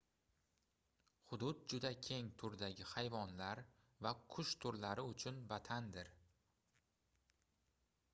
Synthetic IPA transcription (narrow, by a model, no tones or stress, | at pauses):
χʊd̪ʊt̪̚d͡ʒʊd̪akʲʰe̞ŋt̪ʰʊɾd̪aɡʲɪhajvɒnlaɾ | vakʰʊʃt̪ʰʊɾlaɾɪʊt͡ʃʰʊnvat̪ʰand̪ɪɾ